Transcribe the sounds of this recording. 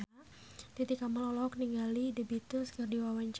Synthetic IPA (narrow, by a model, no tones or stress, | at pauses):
t̪it̪ikaməlɔlɔkniŋɡalidəbit̪ʊskərdiwawaɲt͡ʃ